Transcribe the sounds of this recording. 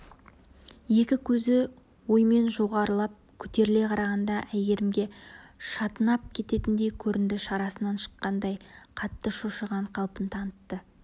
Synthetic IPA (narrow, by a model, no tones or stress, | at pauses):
je̞kʲɪkʲʰɵzɪ | wo̞jme̞nʒo̞ʁɑɾəlˠɑp̚kʲʰʏt̪e̞ɾɪle̞qʰɑɾɑʁɑnd̪ɑʔæjɡe̞ɾɪmɡʲe̞ʃɑt̪ənɑp̚kʲʰe̞t̪e̞t̪ɪnd̪e̞kʲʰɵɾɪnd̪ɪʃɑɾɑsənɑnʃə̥qːɑnd̪ɑjqʰɑt̪ːəʃoʃəʁɑɴqʰɑlˠpənt̪ʰɑnət̪ːə